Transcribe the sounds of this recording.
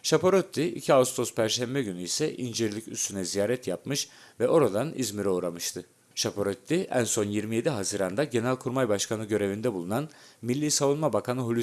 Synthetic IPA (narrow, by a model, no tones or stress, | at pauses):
ʃapoɾøt̪ʰːiḭcʰiaust̪ʰo̞spʰæɾʃæmbɛɟynyisɛʔind͡ʒiɾlʲicyst̪ʰynɛzijaːɾɛt̪japmɯʃ | vɛʔo̞ɾad̪anḭzmiɾoːɾamɯʃt̪ʰɯ | ʃapʰoɾøt̪ʰːiʔæ̰nso̞njiɾmije̞d̪iɦazɯːɾand̪aɟe̞nælʲkʰuɾmajbaʃkʰanɯɟø̞ɾe̞vind̪ɛbulˠunanmilʲːiːsavunmabakʰanɯɦulʲ